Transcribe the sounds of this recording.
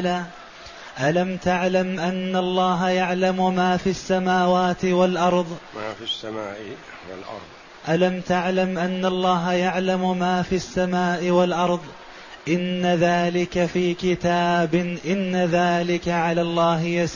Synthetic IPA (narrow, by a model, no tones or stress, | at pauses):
laː | ʔalamt̪aʕlamʔanːalˤːɑːɦjaʕlamʊmaːfiasːamaːwaːt̪ɪwalʔɑɾˤðˤmaːfisːama̰ːʔ | w̰lʔɑ̰ɾˤðˤ | ʔalamt̪aʕlamʔanːalˤːɑːɦajaʕlamʊmaːfiasːamaːʔɪwalʔɑɾˤðˤ | ʔɪnːaðaːlɪkafiːkɪt̪aːbɪʔɪnːaðaːlɪkaʕalaːlˤːɑːɦɪjas